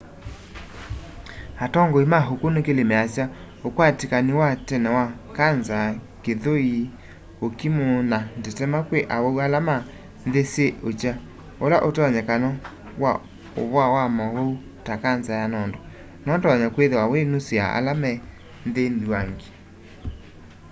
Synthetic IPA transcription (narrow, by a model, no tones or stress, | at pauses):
atɔŋɡoimaɦokonekelemɛasja | okwatikaniwatɛnɛwakanzakeðoi | okimonandetɛmakweʔawoualama | nðeseʔot͡ʃa | olaʔotɔɲɛkanɔ | wa | oβwawamɔwou | takanzajanɔndɔ | nɔtɔɲakweðewawenosea̰ʔa̰lamɛ | nðenduaŋɡe̥